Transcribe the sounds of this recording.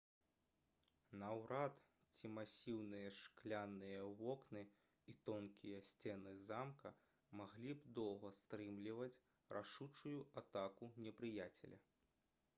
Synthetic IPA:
nɐwɾat̪ | t͡sʲimasʲiwnɨjɐʂklʲanːɨjɐvɔknɨ | it̪ɔnkʲijɐsʲt͡sʲɛnɨzamkʰɐ | maɣlʲibd̪ɔwɣɐst̪ɾɨmlʲivɐt͡sʲ | rʔaʂut͡ʂujuat̪akunʲɛpɾɨjat͡sʲɛ̰lʲɐ̰

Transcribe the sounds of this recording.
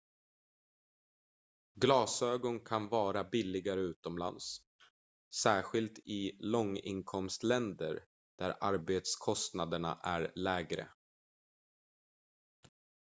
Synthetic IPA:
ɡlɑːsøːɡɔnkʰanvɑːɾabɪlːɪɡaɾəʉ̟ːt̪ɔmla̰nsː | æːɧɪlt̪ɪlɔŋːɪ̰nkʰɔmst̪lɛnd̪əɾ | d̪̥æɾʔa̰ɾbeːt̪skʰɔst̪nad̪əɳa̰ʔæɾlɛːɡɾə̰

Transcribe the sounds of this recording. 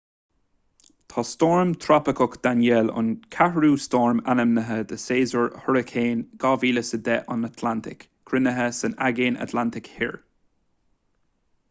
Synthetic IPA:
t̪ʰɔstɔːɹmt̪ʰɾapɪkʊkd̪̥anjɛlʊ̰nkʰahɹuːstɔɹmanəmnəɦəd̪əseːzəɹhɔɹɪkʰeːnɡ̥ɑːviːləsəd̪ɛʔɑnat̪ʰlant̪ʰɪ̰k | kʰɾɪnəɦəsənaɡeːna̰t̪ʰlant̪ɪkhɪ̰ɹ

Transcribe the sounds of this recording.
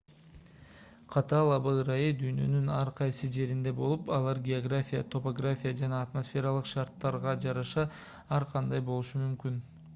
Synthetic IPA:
qʰɑt̪ɑlˠɑbɯɾajid̪yjnø̞̰nynɑɾqʰɑjsɯd͡ʒe̞ɾind̪e̞bo̞lˠupɑlˠɑɾɡʲeoɡrafʲijat̪ʰo̞po̞ɡrafʲijad͡ʒɑnɑːt̪mo̞sfʲe̞ɾɑlˠɯqʃɑɾt̪ːɑɾʁɑd͡ʒɑɾɑʃɑ | ɑɾqʰɑnd̪ɑjbo̞lˠuʃumymkyn

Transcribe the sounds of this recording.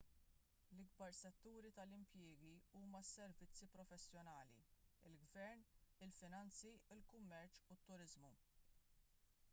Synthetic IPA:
lɪɡ̚bɐɾsɛt̪ːuːɾit̪ɐlɪmpjɪːɡiuːmɐsːɛɾvɪt͡sːipɾɔfɛsːjɔnɐːlḭɪlɡvɛɾnɪlfɪnɐnt͡siɪlkʊmːɛɾt͡ʃut̪ːʊɾɪzmu

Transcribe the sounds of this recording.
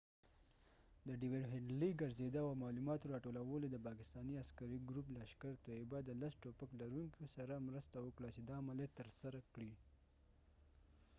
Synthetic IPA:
d̪əɖɪweɖɦɪɳɖliɡaɾzed̪əwawmɑlumɑt̪oɾɑʈolawəlod̪əpɑkɪst̪ɑniaskaɾiɡɾup̬laːʃkaɾt̪oebad̪əlasʈopəklaɾuŋkosaɾamɾəst̪awəkɽat͡ʃed̪ɑːmalet̪əɾsaɾakɽi

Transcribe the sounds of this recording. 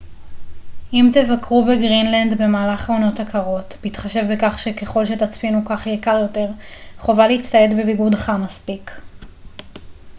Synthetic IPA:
ʔimtevakʁubeɡʁinlandbe̞maːlaχonotakʰaʁo̞tbitχaʃe̞vbekaχʃeke̞χo̞lʃe̞tat͡spinukaχjekaʁjo̞te̞ʁχo̞valeit͡staetbebiɡudχamaspik

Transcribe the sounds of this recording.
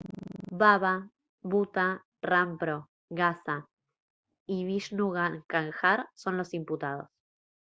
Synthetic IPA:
βaβa | βut̪a | rampɾo | ɣasa | iβiʃnuɣaŋkaŋxaɾso̞nlo̞simput̪að̞o̞̰s

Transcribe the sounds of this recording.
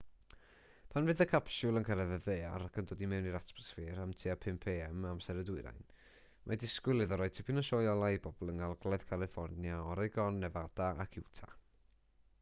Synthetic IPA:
pʰanvɨðəkʰapʃulˠənkʰəɾɛðəðeːaɾakʰəndoːdimɛwniɾatbɔsfiːɾamtʰiapʰɪmpʰeːɛmamsɛɾədʊɨɾa̰jn | mʔadɪskwɪlˠɨðɔɾoːj̚tʰɪpʰinaʃɔːjɔlˠajbɔbɔlˠənalˠɡlˠað̥kʰalˠɨfɔrnjaɔɾɛɡɔnːɛvad̥aʔakʰɪwtʰa̰

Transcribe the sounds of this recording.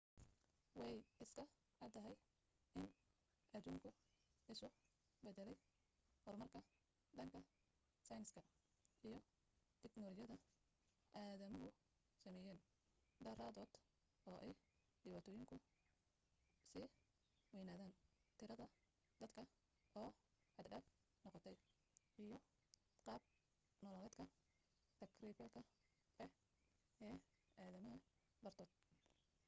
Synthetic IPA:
wɑjɪskʰɐ | ʕɑd̪ʰɐɦɛj | ʔɪn | ʔɐd̪uːŋkʰʊɪsʊ | bɛd̪ɛlɛj | hɔrmɐrkʰɐ | d̪ɐŋkʰɐ | sɐjnskʰɐ | ijɞ | t̪ʰɛknɔlɔt͡ʃjɐðɐ | ʔaːðɐmɔɡʊ | sɐmɛːjɛːn | d̪ɐraːðɔːd̪̥ | ɔːʔɛj | ɖɪwaːt̪ʰɔːjɪŋkʰʊ | sɪ | wɛjnaːðaːnt̪ʰɪɾɐðɐ | d̪̥ɐd̪kʰɐ | ɔː | ħɑd̪ɖɐːf | nɔqɔt̪ʰɛj | ʔijɔ | qɑːb̚ | nɔːlɔːlɛːd̪kʰɐ | t̪ʰɐkribɐlkʰɐ | ɛ | ɛː | aːðɐmɐɦɐ | bɐrt̪ʰɔːd̪̚

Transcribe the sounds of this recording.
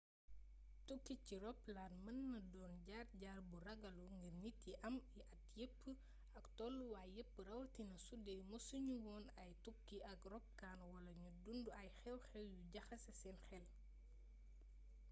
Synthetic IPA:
tukːiciɾɔplaːnmɐnːɐdɔːnɟaːrɟaːrburɐɡɐluŋɡirnitiʔɐmiʔɐtjəpː | ɐktɔːlːuwaːjjəpːɾɐwɐtinɐsudɛjmosuɲuwɔːnɐjtukːiɐkrɔp̚kaːnwɐlɐɲudunduɐjxɛwxɛwjuɟɐxɐsɐsɛːnxɛl

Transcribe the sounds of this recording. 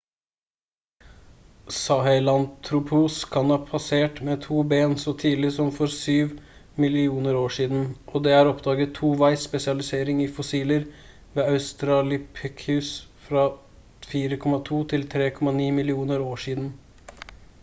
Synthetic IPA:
sɑhɛɪlɑnt̪ʰːɾʊpʰuːskʰɑnhɑːpʰɑseːʈmɛːt̪ʰuːbeːnsɔt̪ʰiːlɪsɔmfɔɾsyːʋ | mɪlɪuːnəɾoːʂiːd̪n̩ʔɔd̪ɛːæːɾɔpd̪ɑːɡət̪ʰːuːʋæɪsːpɛsɪɑlɪseːɾɪŋɪfɔsiːləɾ | ʋeːɑʉst̪ɾɑlɪpʰɛkʰʉːsfɾɑː | fiːɾəkʰɔmɑt̪ʰuːt̪ʰɪlt̪ʰɾeːkʰɔmɑniːmɪlɪuːnəɾoːʂiːd̪n̩

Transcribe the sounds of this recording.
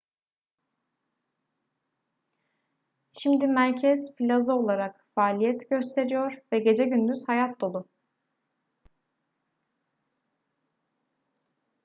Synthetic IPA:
ʃimd̪imæɾcʰɛz̥pʰilʲazɯo̞lˠaɾakfaːlʲijɛt̪ɟø̞st̪ʰe̞ɾijo̞ɾvɛɟe̞d͡ʒɛɟynd̪yz̥hajat̪̚d̪o̞lˠʊ

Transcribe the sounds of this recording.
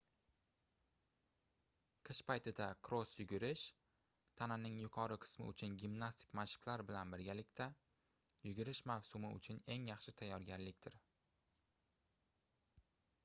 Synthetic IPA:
qʰɨʃpajt̪ʰɪd̪akʰɾosjʊɡʲɪɾɪʃ | t̪ʰananɪŋjʊqʰɒɾɪqʰɨ̥smɪ̰ʊ̰t͡ʃʰʊnɡʲimnast̪ʰɪ̥kʲmaʃɪ̥klaɾbɪlanbɪɾɡʲalɪkʲt̪ʰa | jʊɡʲɪɾɪʃmavsʊmɪʊ̰t͡ʃʰʊne̞ŋjɑχʃɪt̪ʰajːɒɾɡʲaɾlɪk̚ʲt̪ʰɪɾ

